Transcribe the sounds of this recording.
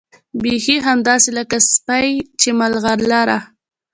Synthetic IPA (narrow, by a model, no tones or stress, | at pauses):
bexiɦamd̪ɑselakaspajt͡ʃemalɣaɾlaɾa